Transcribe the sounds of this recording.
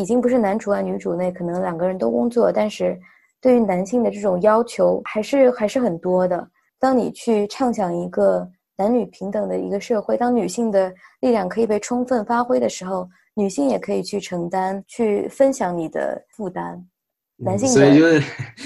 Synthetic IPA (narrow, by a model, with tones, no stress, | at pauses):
i˨˩t͡ɕi˥ŋpu˧˥ʂɻ̩˥˩na˧˥nʈ͡ʂʰu˧˥a˥˧ɪny˧˥ʈ͡ʂu˨˩ne˥˩ɪkʰɤ˨˩nɤ˧˥ŋljɑ˨˩ŋɡə˧˦ɻə˧˥nt̪o˥ʊkʊ˥ŋt͡swɔ˥˩t̪a˥˧nʂɻ̩˥˧ | t̪we˥˩ɪy˧˥na˧˥nɕi˥˩ŋd̪ə˩ʈ͡ʂɤ˥˩ʈ͡ʂʊ˨˩ŋjɑ˥ʊt͡ɕʰjo˧˥ʊxa˧˥ɪʂɻ̩˥˩xa˧˥ɪʂɻ̩˥˩xə˨˩nt̪wɔ˥d̪ə˨ | t̪ɑ˥ŋnḭ˨˩t͡ɕʰy˥˧ʈ͡ʂʰɑ˥˩ŋɕjɑ˨˩ŋi˧˥ɡə˧ | na˧˥nny˨˩pʰi˧˥ŋt̪ɤ˨˩ŋd̪ə˦i˧˥ɡə˧ʂɤ˥˧xwe˥˩ɪt̪ɑ˥ŋny˨˩ɕi˥˩ŋd̪ə˩li˥˧ljɑ˥˩ŋkʰɤ˧˥i˨˩pe˥˩ɪʈ͡ʂʰʊ˥ŋfə˥˩nfa˥xwe˥ɪd̪ə˨ʂɻ̩˧˥xo˥˧˩ʊ | ny˨˩ɕi˥˩ŋjɛ˨˩kʰɤ˧˥i˨˩t͡ɕʰy˥˩ʈ͡ʂʰɤ˧˥ŋt̪a˥nt͡ɕʰy˥˩fə˥nɕjɑ˧˥ŋni˨˩d̪ə̰˦fu˥˩t̪a˥n | na˧˥nɕ̬i˥ŋ˥˨˥